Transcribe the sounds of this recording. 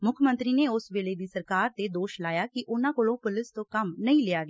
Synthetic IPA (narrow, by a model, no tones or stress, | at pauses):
mʊkʰmə̃nt̪ɾiːneːʊsʋeːleːd̪iːsəɾkaːɾt̪eːd̪oːʃlaːjaːkɪʔʊnãːkoːlõːpʊlɪst̪õːkəmnəĩːlɪaːɡeaː